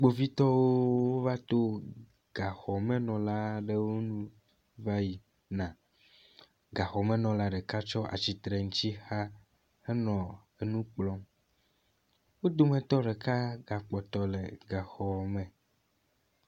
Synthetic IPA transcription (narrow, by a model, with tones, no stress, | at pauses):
ɡ͡bo˨vi˦t̪ɔ˦wo˦wo˦va˦t̪o˦ | ɡ̥a˨xɔ˨me˦nɔ̃˨la˦ɖe˨wo˦nũ˦ | va˦ji˨ | nã˨ | ɡa˨xɔ˨mẽ˦nɔ̃˨la˦ɖe˨ka˦t͡ʃɔ˦ʔa̰˨t͡ɕi˨t̪ɾe˨ŋu˦t͡ɕ̪i˦xa˦ | e˦nɔ̃˨ | e˨nũ˦k͡plɔ˦m | wo˦d̪o˦mẽ˨t̪ɔ˦ɖe˨ka˦ɡa˨k͡pɔ˨t̪ɔ˦lḛ˨ɡa˨xɔ˨mẽ˨